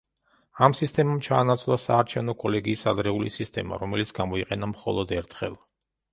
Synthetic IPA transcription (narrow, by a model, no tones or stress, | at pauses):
amsist̪ʼɛmamt͡ʃʰaːnat̪sʰvlˠasaːɾt͡ʃʰɛvnɔkʼɔlɛɡiːsad̪ɾɛulisist̪ʼɛma̰ɾɔmɛlit̪sʰɡamɔiqʼɛnamχɔlˠɔd̪ɛɾt̪ʰχɛ̰lˠ